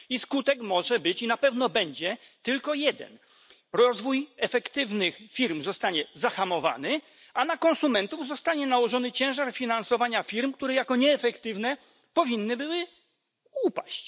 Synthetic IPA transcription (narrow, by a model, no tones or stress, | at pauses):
iskut̪ɛkmɔʐɛbɘt͡ɕinapɛvn̪ɔbɛɲd͡ʑɛt̪ɘlkɔjɛd̪ɛ̰n | ɾɔzvujɛfɛkt̪ɘvnɘxfʲiɾmzɔst̪aɲɛzaxamɔva̰nɘ | anakɔnsumɛnt̪uvzɔst̪aɲɛnawɔʐɔnɘt͡ɕɛ̃w̃ʐaɾfʲinansɔvaɲafʲiɾmk̚t̪uɾɛjakɔɲɛːfɛkt̪ɘvnɛ | pɔvʲinːɘbɘwɘ | upaɕt͡ɕ